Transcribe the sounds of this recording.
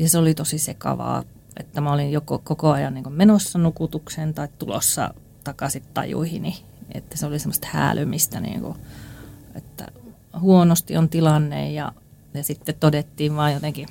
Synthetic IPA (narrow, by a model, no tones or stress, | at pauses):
jɑseolit̪osisekɑ̰ʋɑ̰ː | ʔḛt̪ːæmæolijjokokokoɑjɑnniːŋkummenosːɑnukut̪uksent̪ɑitt̪ulo̰sːɑ̰ | t̪ɑkɑsit̪t̪ɑ̰jṵihini | ḛt̪ːæseolisemːˑəst̪hæ̰ːlymist̪ænḭːŋkṵ | et̪ːæ̰ | huonost̪iont̪ilɑnːḛjjɑ̰ | jɑsit̪ːet̪t̪odet̪ːiːʋʋɑːjjot̪eŋki